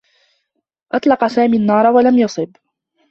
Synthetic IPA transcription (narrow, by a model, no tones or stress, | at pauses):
ʔɑt̪ˤlɑqɑsaːmiːnːɑːɾˤɑwalamjɑsˤɨb